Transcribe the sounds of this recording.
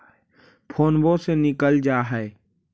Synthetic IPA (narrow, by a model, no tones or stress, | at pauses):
pʰoːnbosenɪkəld͡ʒaːɦɛe